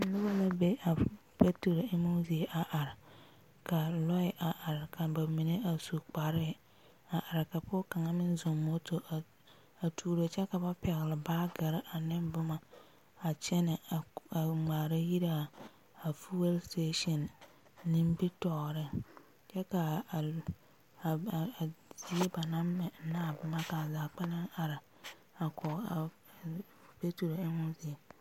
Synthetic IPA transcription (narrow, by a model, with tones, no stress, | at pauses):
nʊ˦ba˦la˦be˦ʔa˨ | pe˦tu˨ɾɪ˦mu˦zi˨ʔa˨ʔa˨ɾɪ˨ | ka˨lɔ˦ɪ˨ʔa˨ʔa˨ɾɪ˨ka˨ba˨mi˨ne˦a˨su˨k͡pa˨ɾɪ˦ | a˨ʔa˨ɾɪ˨ka˨pʊ˦ka˨ŋa˦mɪ˦n˦zo˨mːo˦to˨ʔa˨ | a˨tʰuː˨ɾo˨t͡ʃɛ˦ka˨ba˦pɛ˨ɣlɪ˨baː˦ɡa˨ɾɪ˦ʔa˨nɪ˦mbʊ˦maː˨ | t͡ʃɛ˦nɪ˨a˨a˨ŋ͡maː˨ɾa˦ji˦ɾa˨ | a˨fu˦we˦lste˦ʃɔ˨nː | ĩ˦m˦bi˦tɔː˨ɾɪ˦ | t͡ʃɛ˦ka˨ | a˨zi˨˦e˦ba˨nã˦mːɛ˨naː˦˨bʊ˦ma˦ka˨zaː˨k͡pɛ˦na˦ŋa˨ɾa˨ | a˨kʰɔ˨a˨ | pe˦tu˨ɾo˨ɪ˦ŋʊ̃˦zi˨e˨